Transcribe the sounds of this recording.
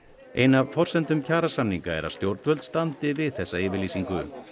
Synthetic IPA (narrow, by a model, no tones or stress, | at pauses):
ḛjnavfɔr̥sɛnt̪ʏmcʰaːɾasanːiŋkaɛ̰ɾa̰ðst̪jowɾt̪vœlt̪st̪ant̪ɪvɪðθɛsːaɪːvɪɾliːsiŋkʏ